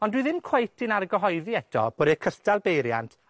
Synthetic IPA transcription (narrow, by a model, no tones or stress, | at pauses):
ɔndwiðɪmkʰwejtʰɪnaɾɡəɦɔjðiɛtʰɔ̰b̥oːdikʰəstalˠbejɾja̰ntʰ